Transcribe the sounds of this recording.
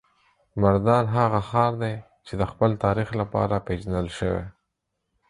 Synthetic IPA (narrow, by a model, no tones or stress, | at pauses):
maɾd̪ɑnɦaɣaxɑɾd̪e | t͡ʃed̪əxpəlt̪ɑɾixlapɑ̰ɾaped͡ʒanəlʃəwḛ